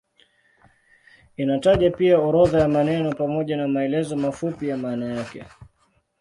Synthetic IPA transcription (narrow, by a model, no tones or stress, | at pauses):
inataʄapiaɔɾɔðajamanɛnɔpamɔʄanamaɛlɛzɔmafupijamaːnajakɛ̰